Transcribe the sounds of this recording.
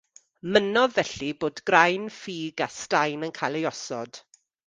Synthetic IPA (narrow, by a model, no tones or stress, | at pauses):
mənɔvɛɬiboːdɡrajnfiːɡastajnənkʰajlejɔsɔ̰d̥